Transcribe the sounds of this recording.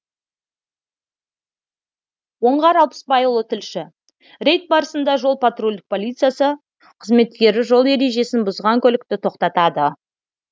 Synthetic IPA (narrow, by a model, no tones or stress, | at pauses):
wo̞ɴʁɑɾɑlˠpə̥spɑjəlˠət̪ʰɪlʃɪ | ɾe̞jt̪̚bɑɾəsənd̪ɑʒo̞lˠpʰat̪rolʲd̪ɪk̚pʰo̞lʲijt̪sɨjasə | qʰəzme̞t̪kʲe̞ɾɪʒo̞lˠe̞ɾe̞ʒe̞sɪnbʊzʁɑŋkʲʰɵlɪk̚t̪ɪt̪ʰo̞qt̪ɑt̪ɑd̪ə